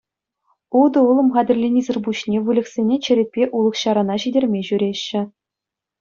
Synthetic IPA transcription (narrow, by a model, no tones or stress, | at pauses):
ud̪ɤ̆ulˠɤ̆mχɑdʲɘ̆rʲlʲenʲizʲɘ̆rbuɕnʲeʋulʲɘ̆ksʲenʲet͡ɕɘ̆ɾʲet̚ʲpʲeʔulˠɤ̆χɕɑɾɑnɑɕidʲerʲmʲeʑyɾʲeɕːɘ̆